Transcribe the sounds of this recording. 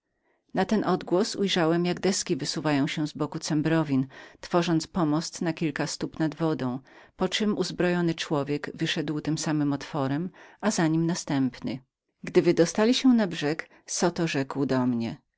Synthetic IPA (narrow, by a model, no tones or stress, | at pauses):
nat̪ɛnʔɔd̪ɡwɔsujʐawɛmjaɡd̪ɛskʲivɘsuvajɔ̃w̃ɕɛzbɔkut̪sɛmbɾɔvʲint̪fɔʐɔnt̪spɔmɔst̪nakʲilkast̪upnad̪vɔd̪ɔ̃w̃ | pɔt͡ʂɘmuzbɾɔjɔnɘt͡ʂwɔvʲjɛɡvɘʂɛd̪wt̪ɘmsamɘmɔt̪fɔɾɛmʔazaɲimnast̪ɛmpnɘ | ɡd̪ɘvɘd̪ɔst̪alʲiɕɛ̃nabʐɛk | sɔt̪ɔʐɛkwd̪ɔmɲɛ